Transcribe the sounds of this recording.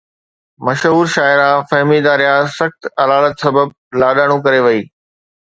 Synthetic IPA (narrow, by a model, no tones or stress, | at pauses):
mɐʃɦuːɾʃaːɪɾafɐɦmid̪aːɾijasɐxt̪ɐlaːlət̪sɐbəb̚ | laːɗaːɽ̃ũkɐɾeʋɐiː